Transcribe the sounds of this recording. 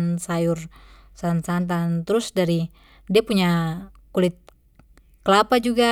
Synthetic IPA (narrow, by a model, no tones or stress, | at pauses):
nsajur | sansant̪̬ant̪ɾʊsdaɾi | diapuɲakulɪt̪̚ | kəlapad͡ʒuɡa